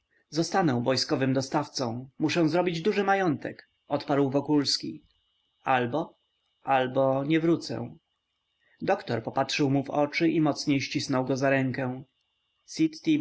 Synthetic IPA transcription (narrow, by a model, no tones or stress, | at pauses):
zɔst̪anɔ̃w̃vɔjskɔvɘmd̪ɔst̪aft̪sɔ̃w̃muʂɛ̃w̃zɾɔbʲid͡ʑd̪uʐɘmajɔnt̪ɛk | ʔɔt̪paɾwvɔkulskʲi | albɔ | ʔalbɔɲɛvɾut̪sɛ̰̃ | d̪ɔkt̪ɔɾpɔpatʂɘwmuvɔt͡ʂɘʔimɔt̪sɲejɕt͡ɕisnɔwɡɔzaɾɛŋkɛ̃ | sʲit̪ːi